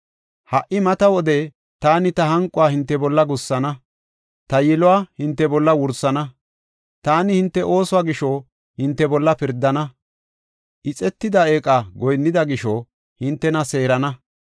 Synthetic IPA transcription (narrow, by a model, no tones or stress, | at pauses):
hɐʔɪmɐt̪ɐwɔd̪e | t̪aːnɪt̪ɐɦɐŋkʼːʊwaːhɪnt̪ːɛbɔlːɐɡʊsːɐnɐ | t̪ɐjɛlʊaːhɪnt̪ːɛbɔlːɐwʊɾsːɐnɐ | t̪aːnɪhɪnt̪ːɛʔo̞ːsʊaːɡɪʃɔ | hɪnt̪ːɛbɔlːɐpɪɾd̪ːɐnɐ | ʔɪt͡sʼɛt̪ːɪd̪ɐeːkʼaɡɔjnːɪd̪ɐɡɪʃɔ | hɪnt̪ːɛnɐse̞ːɾɐnɐ